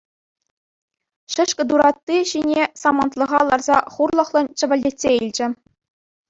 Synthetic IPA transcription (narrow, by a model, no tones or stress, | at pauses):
ɕɘ̆ʂkʲɘ̆d̪uɾɑt̪ːiɕinʲesɑmɑnt̪lˠɤ̆ʁɑlˠɑrzɑχurlˠɤ̆χlˠɤ̆nt͡ɕɘ̆ʋʲɘ̆lʲdʲetʲsʲeilʲd͡ʑɘ̆